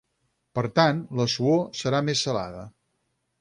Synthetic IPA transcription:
pəɾt̪anləsuosəɾamesːəla̰ðə̰

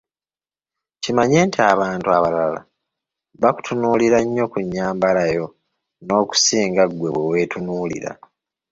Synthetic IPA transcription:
cimaɲe̞ːntiaβaːntuaβalala̰ | βaku̥tʰunuːliɾaɲːo̞kuɲːaːmbalajo̞ | no̞ːku̥siːŋɡaɡwe̞βwewe̞ːtunuːlḭɾa̰

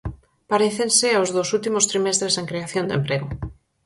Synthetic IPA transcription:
paɾeθenseaozðowsult̪imost̪ɾimest̪ɾeseŋkɾeaθjond̪ḛmpɾeɣo

